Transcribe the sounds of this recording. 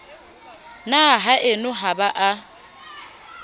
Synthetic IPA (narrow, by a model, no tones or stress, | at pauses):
naɦaʔɪnʊɦabaʔa